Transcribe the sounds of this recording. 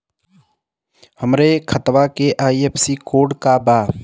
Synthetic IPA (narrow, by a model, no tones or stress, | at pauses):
həmɾekʰət̪ʋakeʔaːiepsiːkoːɖkabaː